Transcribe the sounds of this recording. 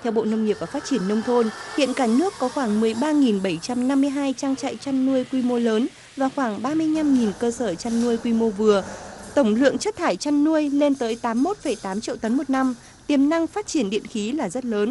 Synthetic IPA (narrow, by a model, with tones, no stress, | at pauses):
t̪ʰɛ˧wɓo̰˧˨nə˧wŋ͡mŋi˨˩əp̚vaː˨˩faː˦˥t̚t͡ɕi˧˩ənːə˧wŋ͡mt̪ʰo˧nhḭ˧˨ənkaː˧˩nɨ˦˥əkːɔ˨˦xwaː˧˩ŋmɨ˨˩əjɓaː˧ŋi˨˩nɓə˧˩jt͡ɕa˧mna˧mːɨ˧əjɦaː˧jt͡ɕaː˧ŋt͡ɕa̰ː˧˨jt͡ɕa˧nːu˧əjkwi˧mo˧ləː˨˦n | vaː˨˩xwaː˧˩ŋɓaː˧mɨ˧əjɲa˧mŋi˨˩nkəː˧səː˧˩t͡ɕa˧nːu˧əjkwi˧mo˧vɨ˨˩ət̪ə˧˩wŋ͡mlɨ̰˧˨əŋt͡ɕə˦˥t̚t̪ʰaː˧˩jt͡ɕa˧nːu˧əjle˧nt̪əː˨˦jt̪aː˨˦mːo˦˥t̚fə˧˩jt̪aː˨˦mt͡ɕḭ˧˨wt̪ə˨˦nmo˨˩t̚na˧m | t̪i˨˩əmna˧ŋfaː˦˥t̚t͡ɕi˧˩ənɗḭ˧˨ənxi˨˦laː˨˩zə˦˥t̚ləː˨˦n